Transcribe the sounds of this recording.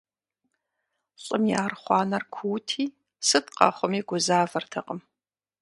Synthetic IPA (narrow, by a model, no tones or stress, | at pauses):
ɕʼɪmjaːrχʷɑːnɐrkʷʰuːtʰiː | sɨtqɑ̰χʷɔmiːɡʷʊzaːvɐrtʰɐqəm